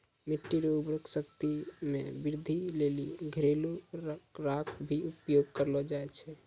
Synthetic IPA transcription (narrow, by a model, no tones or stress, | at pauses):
meʈːiɾobɾəksəkt̪imebiɾd̪ʱileliɡʱəɾelukɾakʰbʱiupjoɡ̚kəɾlɔd͡ʒaɛt͡ʃʰɛ